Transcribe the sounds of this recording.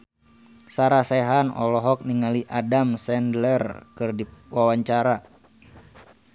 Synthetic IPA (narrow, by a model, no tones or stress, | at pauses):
saɾasɛɦanɔ̰lɔɦɔk̚niŋaliʔadamsɛndlɛrkɨrdiwawaɲt͡ʃaɾa